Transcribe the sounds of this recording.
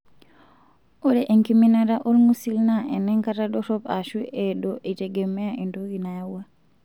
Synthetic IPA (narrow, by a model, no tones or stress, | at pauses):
ʔɔɗɛʔɛŋkiminaɾaʔɔɾmusilnaʔɛnːɛŋkataɗɔɾɔbaʃuʔɛɗɔʔɛd͡ʒɛɡɛmːɛaʔɛndoɡinajawa